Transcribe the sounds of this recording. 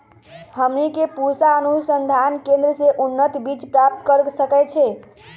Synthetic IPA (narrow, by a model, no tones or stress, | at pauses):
həmnikepusaənusənd̪ʱankẽnd̪ɾəseʔunːət̪ibit͡ʃpɾap̚t̪kəɾsəkɛt͡ʃʰɛ